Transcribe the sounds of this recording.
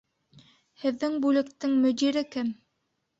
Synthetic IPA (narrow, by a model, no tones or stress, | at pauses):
hɘ̆ðːɘŋbʉlɘ̆kt̪ɘŋmɵ̆d̪iɾɘkɘm